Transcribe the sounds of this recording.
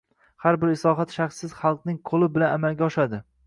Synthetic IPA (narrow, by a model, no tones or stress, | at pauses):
haɾbɪɾɪsɒɦat̪ʃaχsːɪz̥χɑlˠqnɪŋqʰolˠɪbɪlanamalɡʲaɒʃad̪ɪ